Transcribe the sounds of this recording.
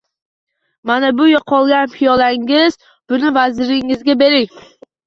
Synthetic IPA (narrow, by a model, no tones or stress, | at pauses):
manabʊjɒqʰɒlˠɡʲanpʰijɒlaŋɪz | b̥ʊnɪvazɪɾɪŋɪzɡʲabe̞ɾɪŋ